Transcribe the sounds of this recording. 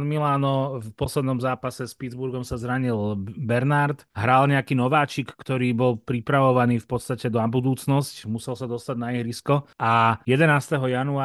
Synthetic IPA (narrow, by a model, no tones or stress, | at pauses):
nmilaːnɔfpɔslɛd̪nɔmzaːpasɛspid͡zbuɾɡɔmsazɾaɲilbɛɾnaɾt̪ɦɾalɲɛakiːnɔʋaːt͡ʃikːt̪ɔɾiːbɔlpɾipɾaʋɔʋaniːfpɔt̪st̪acɛd̪ɔabud̪uːt͡snɔscmusɛlsad̪ɔst̪aɟnaiɦɾiskɔajɛd̪ɛnaːst̪ɛɦɔjanuaː